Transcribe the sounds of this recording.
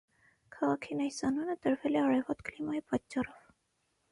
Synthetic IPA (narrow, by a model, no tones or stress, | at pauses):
kʰɑʁɑkʰinɑjsɑnunət̪əɾvɛlɛɑrɛvɔt̪klimɑjipɑt͡ʃːɑrɔv̥